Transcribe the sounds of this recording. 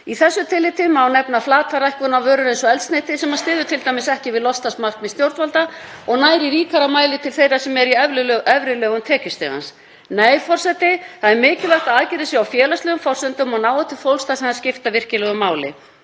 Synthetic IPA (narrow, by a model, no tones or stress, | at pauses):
iθɛsːʏt̪ʰɪlːɪt̪ɪmaːwnɛpnaflaːt̪faɾaɛjhkvʏnavœːɾʏɾejnsɔɛlst̪nejt̪ɪsɛmaðst̪ɪːðʏt̪ʰɪlt̪ajmɪsɛhcɪvɪðlɔst̪ast̪mar̥kmɪðst̪jowɾt̪valt̪a | ɔɣnaːjɾɪɾiːkaɾamaːjlɪt̪ʰɪlθejɾasɛmɛɾiɛvɾʏɛvɾɪlœːɣʏmt̪ʰɛːcʏst̪ḛɣa̰ns | neːjfɔr̥sɛt̪ɪθaðɛɾmɪːcɪlvaht̪aaːðcɪɾɪsjɛawfjɛːlaslœːɣʏmfɔr̥sʏnt̪ʏmɔɣnaːwɛt̪ʰːɪfowlst̪asɛnhascɪft̪avɪr̥cɪlɛɣʏmaːwlɪ̰